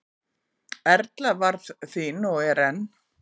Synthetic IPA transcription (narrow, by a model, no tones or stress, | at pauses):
ɛɾt̪lavaɾðθinɔɛɾɛnː